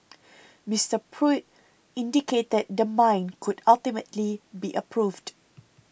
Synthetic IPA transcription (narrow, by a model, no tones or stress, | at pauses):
mistəpʰɹut̚ | ĩndiket̚dɛt̚dəmãjnkʰʊdaltimətlibiʔəpʰɹuvd